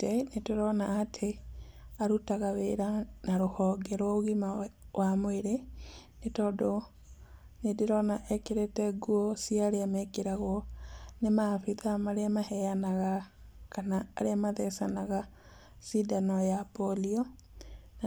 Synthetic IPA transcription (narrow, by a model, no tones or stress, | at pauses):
ɛnetoɾɔnaːtʰe | aɾutaɣaweɾanaɾohɔːɡɛɾwaoɣimawamweɾenetɔdo | nedeɾɔnaʔɛkeɾetɛɡuɔsiaɾeamɛkeɾaɣwɔnemafiðamaɾeamahɛjanaɣakanaːɾeamaðɛsanaɣa | sidanɔjapɔliɔ | na